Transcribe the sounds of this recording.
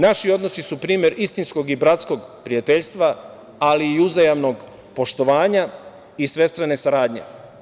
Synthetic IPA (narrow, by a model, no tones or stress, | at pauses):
naʃio̞d̪no̞sisupɾiːmje̞ɾist̪insko̞ɡibɾat̪sko̞ɡpɾijat̪eʎʲst̪ʋa | aliːuzajamno̞ɡ | po̞ʃt̪o̞ʋaːɲa | isʋe̞st̪ɾane̞saɾaːd̪ɲe̞̰